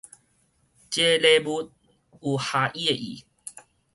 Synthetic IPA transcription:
t͡ʃelebut̪̚ | uhaʔiəʔḭ

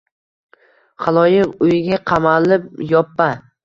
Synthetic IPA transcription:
χɑlˠɒjɪqʊjɪɡʲaqʰɑmalɪp̚jɒpːa

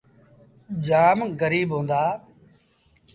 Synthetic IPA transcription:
d͡ʒaːmɣəɾiːɓɦõːnd̪aː

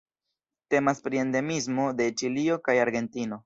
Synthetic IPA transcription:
te̞maspɾie̞nde̞mizmo̞de̞t͡ʃilio̞kajaɾɡe̞ntino̞

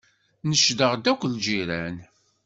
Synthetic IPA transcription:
nəʃd̪əʁd̪ækʷːld͡ʒiɾæn

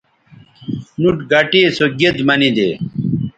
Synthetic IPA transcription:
nuʈɡɐʈiesoɡed̪mɐnid̪eː

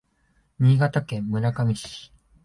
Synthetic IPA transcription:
ɲ̟iːɡat̪akẽmːɯ̟nakamʲit͡ɕi̥i̥

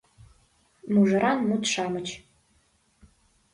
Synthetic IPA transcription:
muʒəɾɑnmut̪ʃɑmət͡ɕ

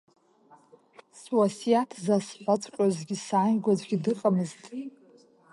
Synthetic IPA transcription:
swasijatʰzasħʷat͡sʷʼkʷʼazɡʲisaːnɡʷad͡zʷɡʲidɨqʼamɨztʼ

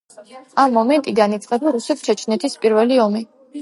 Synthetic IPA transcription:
amːɔmɛnt̪ʼiɡanit̪sʼχʼɛbaɾusɛpt͡ʃʰɛt͡ʃʰnɛt̪ʰispʼiɾvɛliɔmi

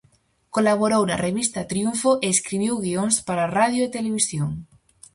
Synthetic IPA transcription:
kolaβ̞oɾowna̰reβist̪at̪ɾiuɱfoʔeːskɾiβ̞iwɣioŋspaɾaraðjoet̪eleβ̞isjoŋ

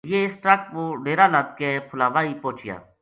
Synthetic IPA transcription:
jeːsʈakʋoːɖeːɾaːlãd̪̚keːpʰʊlaːʋaːiːpoːt͡ʃɪja̰ː

